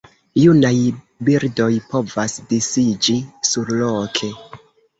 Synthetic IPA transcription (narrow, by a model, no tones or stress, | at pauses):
junaj | biɾdo̞jpo̞vasdisid͡ʒisuɾlokʰe̞